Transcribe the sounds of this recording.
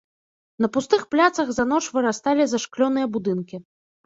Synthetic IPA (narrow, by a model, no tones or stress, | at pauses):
nɐpust̪ɨxplʲat̪sɐɣzanɔʂvɨɾast̪alʲizaʂklʲɔnɨjɐbud̪ɨnkʲi